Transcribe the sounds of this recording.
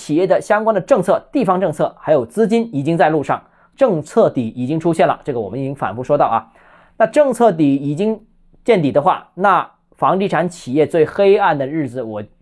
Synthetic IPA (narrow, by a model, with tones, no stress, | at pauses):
t͡ɕʰi˨˩jɛ˥˩d̪ə˩ɕjɑ˥ŋkwa˥nd̪ə˨ʈ͡ʂɤ˥˧ŋt͡sʰɤ˥˧t̪i˥˩fɑ˥ŋʈ͡ʂɤ˥˧ŋt͡sʰɤ˥˩xa˧˥ɪjo˨˩ʊt͡sɹ̩˥t͡ɕi˥ni˨˩t͡ɕi˥ŋt͡sa˥˧ɪlu˥˧ʂɑ˥˩ŋ | ʈ͡ʂɤ˥˧ŋt͡sʰɤ˥˩t̪i˨˩i˨˩t͡ɕi˥ŋʈ͡ʂʰu˥ɕjɛ˥˩nlə̰˩ʈ͡ʂɤ˥˩ɡəwɔ˨˩mə˦ni˨˩t͡ɕi˥ŋfa̰˨˩nfu˥˩ʂwɔ˥t̪ɑ˥˩ʊɐ̰˩ | na˥˧ʈ͡ʂɤ˥˧ŋt͡sʰɤ˥˩t̪i˨˩i˨˩t͡ɕi˥ŋ | t͡ɕjɛ˥˩nt̪i˨˩d̪ə˦xwa̰˥˧˩na˥˩ | fɑ˧˥ŋt̪i˥˩ʈ͡ʂʰa˧˥nt͡ɕʰi˨˩jɛ˥˧t͡swe˥˩ɪxe˥ɪa˥˩nd̪ə˩ɻɻ̩˥˩d͡zɹ̩˩wɔ˨˩